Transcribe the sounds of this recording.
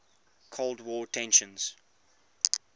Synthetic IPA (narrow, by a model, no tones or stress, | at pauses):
kʰoldwɔːtʰɛ̃nʃə̃nz̥